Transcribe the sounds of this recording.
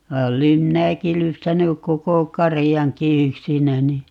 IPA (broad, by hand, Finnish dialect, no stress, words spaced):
ʋɑ olem minæki lypsænyk koko kɑrijɑŋki yksinæni